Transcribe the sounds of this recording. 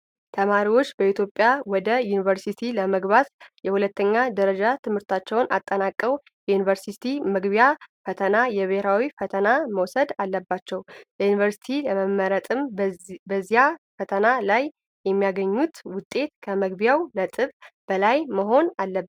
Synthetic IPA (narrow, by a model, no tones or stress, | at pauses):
t̪ʰəmaɾiwo̞t͡ʃːbəit̪ʰjo̞pʼjawɔd̪əjunivəɾsit̪ʰiləməɡβat̪jɛhulət̪ːəɲːad̪əɾəd͡ʒat̪ʰɨmhɨɾt̪ʰat͡ʃːɛwnʔat̪ʼːənakʼːəw | jɛjunivəɾsit̪ʰiməɡβijafət̪ʰənajɛβeɾawifət̪ʰənaməwsəd̪alːəbːat͡ʃːɛwjəjunivəɾsi̥t̪ʰiləməmːəɾət̪ʼɨmbəzːijafət̪ʰənalaj | jɛmːijaɡəɲːut̪wʊt̪ʼːe̞t̪kʰəməɡbjawnət̪ʼɨβb̥əlajməɦo̞nalːəb